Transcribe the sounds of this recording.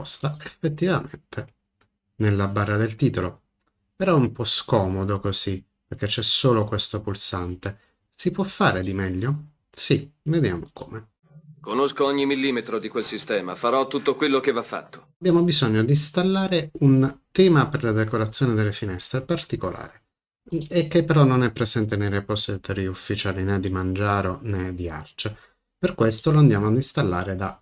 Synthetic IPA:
ɔst̪aefːet̪ːivament̪ʰe | nelːabarːad̪elt̪iːt̪olo | pɛɾɔumpɔskɔmod̪okozi | perk̟et͡ʃːɛsoːlokwest̪opulsant̪e | sipwɔfːaːɾed̪imɛʎːo | sived̪jaːmoko̰ːme | konoskoɔɲːimilːiːmet̪ɾod̪ikwelsist̪ɛːma̰faɾɔt̪ːut̪ːokwelːokevːafːa̰t̪ːo̥abjaːmobizoɲːod̪ist̪alːaːɾeunt̪ɛːmaperlad̪ekoɾat̪sːjoːned̪elːefinɛst̪ɾepart̪ikolʔa̰ːɾe | ek̟ːepːeɾɔnːonɛpːɾezɛnt̪enejɾepɔst̪et̪oɾiufːit͡ʃaːlinɛd̪ːimand͡ʒaːɾonɛd̪ːia̰rt͡ʃe | perkwest̪oloand̪jaːmoad̪ist̪alːaːɾed̪a

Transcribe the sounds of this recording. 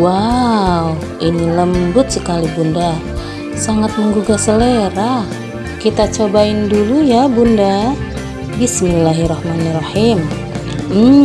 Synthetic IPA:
waw | iniləmbʊt̪̚səkalibunda | saŋat̪̚məŋɡuɡasəleɾah | kit̪at͡ʃobaɪndulujabunda | bismilːaɦiɾɑhmanarɑhim̩

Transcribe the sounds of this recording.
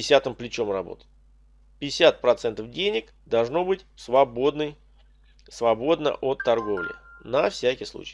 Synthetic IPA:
ɪsʲat̪ɨmplʲɪt͡ɕo̞mrɐbo̞̰t̪ | pʲɪɪsʲat̪̚pɾɐt̪sɛnt̪əfdʲenʲɪk | d̪ɐlˠʐno̞bɨtʲsvɐbo̞d̪nəj | svɐbo̞d̪nə̰ʔo̞t̪ːɐrɡo̞vlʲɪ̰nɐfsʲækʲɪjslˠṵt͡ɕɪ̥j

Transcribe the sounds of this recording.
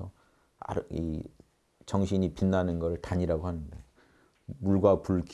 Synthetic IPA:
ʌ | a̰ɾḭ | t͡ɕʌŋɕʰiɲipinːanɯnɡʌɾɯɭtaɲiɾaɡoɦanɯnde̞̰ | muɭɡwapuɭɡ

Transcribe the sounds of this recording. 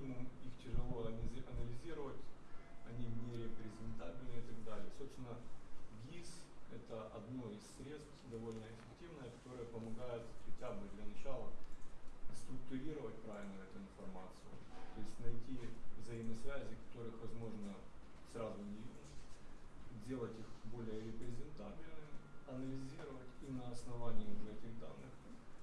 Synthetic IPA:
ɪmuixtʲɪʐɨlˠo̞ɐʔɐnəlʲɪzʲiɾəvətʲɐnʲinʲɪɾʲɪpɾʲɪzʲɪnt̪abʲɪlʲnəɪt̪ɐɡd̪alʲɪəsopst̪ʲɪnəɡʲisɛt̪əʔɐd̪no̞isʲːɾʲe̞t̪st̪d̪ɐvo̞lʲnəɪfʲɪktʲivnəjəkɐ̥t̪o̞ɾəjəpəmɐɡajʊt̪zxʲɪtʲabɨd̪lʲɐnɐt͡ɕalˠə | st̪ɾʊk̚t̪ʊɾʲiɾəvətʲpɾavʲɪlʲnʊɛt̪ʊɪnfɐrmat̪sɨjʊt̪o̞ɪsʲtʲnɐjtʲivzɐiməsvʲæzʲɪkɐ̥t̪o̞ɾɨxvɐzmo̞ʐnəsrazʊnʲɪvʲin | dʲe̞lˠətʲixbo̞lʲɪjəɾʲɪpɾʲɪzʲɪnt̪at̪ʲɪlʲnɨɐnəlʲɪzʲiɾəvətʲinəɐsnɐvanʲɪiʊʐɛɛtʲɪɣd̪a̰nːɨx

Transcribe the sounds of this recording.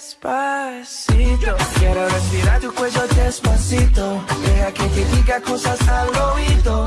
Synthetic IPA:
spa | sit̪okaeɾorespiɾat̪ukwezod̪espasit̪oehaket̪eðiɡakosasaloid̪o

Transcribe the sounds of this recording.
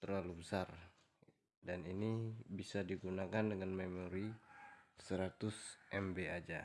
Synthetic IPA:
t̪ərlalubəsar | daninibisadiɡunakandəŋanmemoɾi | səɾat̪ʊsʔɛmbead͡ʒa

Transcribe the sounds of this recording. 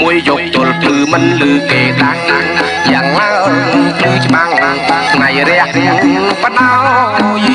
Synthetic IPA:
muəjːop̚t̪ʊ̆əlpʰlɨːmɨnlɨːkeːɗaknaŋ | jaːŋlaəŋpʰlɨːt͡ɕɓaŋnasʰŋajɾɛəhrɛəŋpnaw

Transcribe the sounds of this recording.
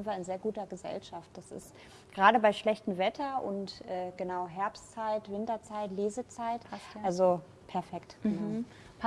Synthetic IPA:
n̩viːɐɪnzeːɐɡuːtɐɡəzɛ̰lʃaft̚d̥asɪ̰st | ɡ̥ʁaːɾəbaɪʃlɛçtn̩vɛtʰɐʔʊ̰ntʔɛːɡ̥ənaʊɦɛɐpstt͡saɪtv̥ɪntɐt͡saɪtleːzət͡saɪtʔalzo | pʰɛɐfɛkt

